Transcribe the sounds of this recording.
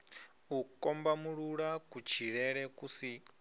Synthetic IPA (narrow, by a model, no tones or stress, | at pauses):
ukʼɔmbamuɺuɺakut͡ʃʰiɺɛɺɛkusi